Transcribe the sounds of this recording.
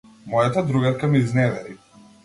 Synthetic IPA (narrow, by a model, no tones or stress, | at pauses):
mɔjat̪ad̪ɾuɡaɾkamiiznɛd̪ɛɾi